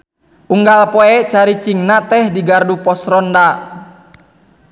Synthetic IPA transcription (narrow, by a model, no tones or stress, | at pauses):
ʔuŋɡalpɔɛt͡ʃaɾit͡ʃiŋnat̪ɛhdiɡardupɔsɾɔnda